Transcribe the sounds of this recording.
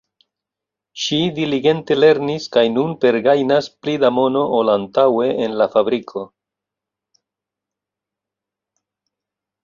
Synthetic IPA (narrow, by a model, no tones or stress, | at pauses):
ʃidiliɡe̞nte̞le̞ɾniskajnunpe̞ɾɡajnasplidamo̞no̞ʔolantawe̞ʔenlafabɾikʰo̞